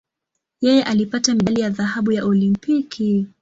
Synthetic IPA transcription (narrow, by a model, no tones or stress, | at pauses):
jɛjɛʔalipatamiɗalijaðaɦaɓujaʔɔlimpikʰi